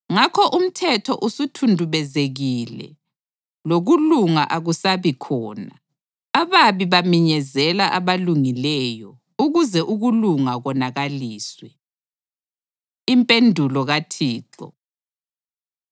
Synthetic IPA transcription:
ŋakʰɔʔum̩tʰɛtʰɔʔusutʰundʱuβɛzeɣilɛ̰ | loɣuluŋa̰ʔaɣusaβikʰɔːna | aβaβiβamiɲɛzɛlaʔaβaluŋilɛjɔ | uɣuzɛʔuɣuluŋaɣɔnaɣaliːswɛ | impʼendʱulɔɣatʰiːǁɔ̰

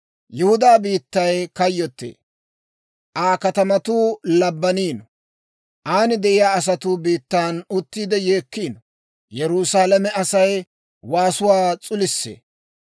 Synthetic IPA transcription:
jɛhʊd̪aːbiːt̪ːɐjkɐjːɔt̪ːḛː | ʔaːkɐt̪ɐmɐt̪uːlɐbːɐniːnɔ | ʔaːnɪd̪ɛʔɪjaːɐs̬ɐt̪uːbiːt̪ːaːnʊt̪ːiːd̪ɛje̞ːkːiːnɔ | jɛɾuːsaːlɐmɛɐsɐj | waːsʊwaːt͡sʼʊlɪsːḛː

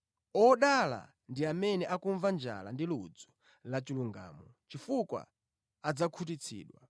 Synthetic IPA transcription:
ɔɗala̰ | ndiamɛnɛʔakuɱvand͡ʒa̰la̰ndilud͡zɔ̥ | lat͡ʃiluŋɡa̰ːmɔt͡ʃifukwa̰ː | d͡zakʰut̬it͡sʰḭːɗwa̰

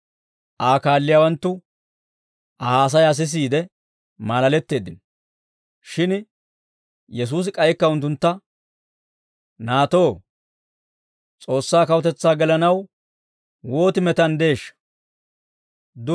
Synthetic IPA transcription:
ʔaːkaːlːɪjaːwɐnt̪ːʊ | ʔɐhaːs̬ɐjɐs̬ɪs̬iːd̪ɛ | maːlɐlɛt̪ːe̞ːd̪ːɪnɔ | ʃɪn | jɛs̬uːs̬ɪkʼɐjɛkːɐʊnt̪ːʊnt̪ːɐ | naːt̪o̞ː | t͡sʼo̞ːsːaːkɐwʊt̪ɛt͡sːaːɡɛlɐnɐw | wo̞ːt̪ɪmɛt̪ɐnd̪e̞ːʃːɐ̥ | d̪ʊ

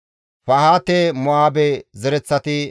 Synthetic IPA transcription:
fɐhaːt̪ːemɔaːbɛzɛɾɛt͡sːɐt̪ɪ

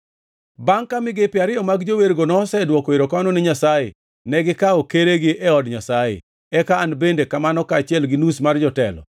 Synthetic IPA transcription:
baŋkamɪɡepɪaɾɪjɔmaɡd͡ʒoweɾɡonɔsɛdwɔkɔeɾokamanɔnɪɲasajḛ | nɛɡɪkaɔkeɾeɡɪʔɛɔdɲasajḛ | ɛkaːnbendekamanɔkaːt͡ʃɪɛlɡɪnusmard͡ʒɔtɛ̰lɔ̰

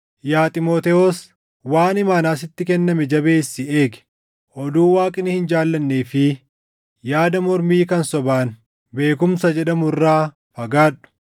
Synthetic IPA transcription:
jaːt̪ʼɪmoːt̪ɛoːs | waːnɪmaːnaːsɪt̪ːɪkɛnːɐmɛd͡ʒɐbe̞ːsːɪe̞ːɡɛ̥ | ʔɔd̪uːwaːkʼɪnɪhɪnd͡ʒaːlːɐnːeːfɪ | jaːd̪ɐmɔɾmiːkɐnsɔbaːn | be̞ːk̬ʊmsɐd͡ʒɛᶑɐmʊrːaː | fɐɡaːᶑʊ̥

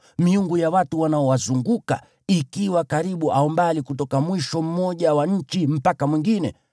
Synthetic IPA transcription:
miuŋɡujawatuwanaɔwazuŋɡuka | ikiwakaɾiɓuʔaɔmbalikutɔkamwiʃɔm̩mɔʄawaɲ̩t͡ʃim̩pakamwiŋɡinɛ̰

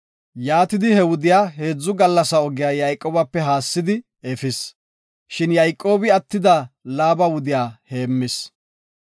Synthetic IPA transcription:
jaːt̪ɪd̪ɪhɛwʊd̪ɪjaːɦe̞ːd͡zːʊɡɐlːɐsɐɔɡɪjaːjɐjkʼːoːbɐpːɛɦaːsːɪd̪ɪ | efɪs | ʃɪnjɐjkʼːo̞ːbɪɐt̪ːɪd̪ɐlaːbɐwʊd̪ɪjaːhe̞ːmːɪs

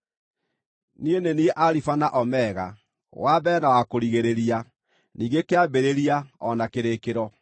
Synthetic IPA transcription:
nienenieʔaɾifanaʔɔmɛɣa | wabɛnawakoɾiɣeɾeɾia | niːŋɡekeabeɾeɾiaɔnakeɾekeɾɔ

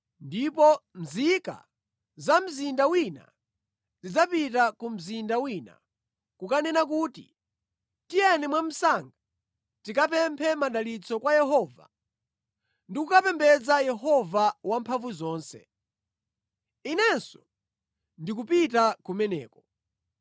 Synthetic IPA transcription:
ndipɔm̩zika̰ | zam̩zindawina̰ | zid͡zapitakum̩zindawina̰ | kukanɛnak̬uːtḭ | tijɛnɛmwam̩saŋɡa | tikap̬ɛmpʰɛmaɗalit͡sɔkwajɛɦɔːva̰ | ndikukapɛmbɛd͡zajɛɦɔvawampʰaɱvuzɔːnsɛ̰ | inɛnsɔ | ndik̬upitakumɛnɛ̰ːkɔ

